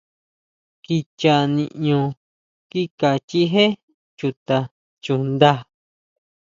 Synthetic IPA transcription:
ki˧t͡ʃa˧nĩ˧ʔɲõ˧ | ki˦ka˨t͡ʃi˦ɦẽ˦ | t͡ʃu˧t̪a˧ | t͡ʃu˧nd̪a˦˧

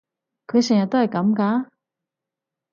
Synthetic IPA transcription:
kʰɤ˧˥ɕɛ˨˩ja˨˩t̪wa˥˩ɪka˨˧˥mka˧˥

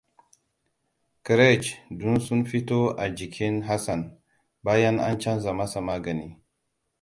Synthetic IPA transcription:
kɾe˦˨t͡ʃdu˦nsu˦nɸi˦to˦ʔa˨d͡ʒi˨kʰʲi˦nɦa˦sa˨n | baː˦ja˦nʔa̰˦nt͡ʃa˦nza˨ma˦sa˨maː˦ɡɐ˨ni˦

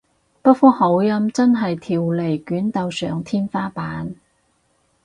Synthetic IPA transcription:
pɐ˥t̚fɔː˥ho˨˥wjɐ˧˥mt͡sɐ˥nɦɐ˨jt̪ʰiː˨˩wle˨˩jkyː˨˥nt̪ɐ˧wsœ̰ː˨ŋt̪ʰiː˥nfaː˥paː˨˥n

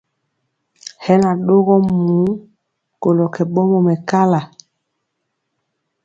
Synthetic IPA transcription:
hɛ˦na˨ɗo˦ɣɔ˦muː˨˦ | ko˨lɔ˨kʰɛ˨ɓɔ˦mɔ˨mɛ˨ka˦la˨

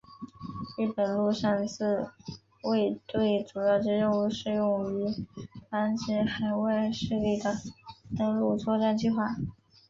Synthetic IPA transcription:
ɻɻ̩˥˩pə˨˩nlu˥˧ʂa˥˧nsɹ̩˥˧ | we˥˧ɪt̪we˥˩ɪʈ͡ʂu˨˩jɑ˥˩ʊʈ͡ʂɻ̩˥˧ɻə˥˧uu˥˩ʂɻ̩˥˧jʊ˥˩ŋy˧˥fa˥nt͡ɕi˧˥xa˧˥ɪwa˥˧ɪʂɻ̩˥˧li˥˩d̪ə˩t̪ə˥ŋlu˥˧t͡sʰwɔ˥˧ʈ͡ʂa˥˧nt͡ɕi˥˧xwa˥˩

